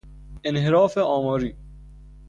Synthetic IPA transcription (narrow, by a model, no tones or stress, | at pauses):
ɪnɦɪɾɔːfeʔɔːmɔːɾiː